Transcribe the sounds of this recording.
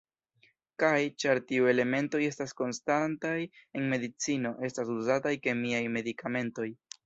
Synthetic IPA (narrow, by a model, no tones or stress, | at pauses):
kajt͡ʃaɾtiue̞le̞me̞nto̞je̞stasko̞nstantaje̞nme̞dit͡sino̞ʔe̞stasuzatajke̞miajme̞dikʰame̞nto̞j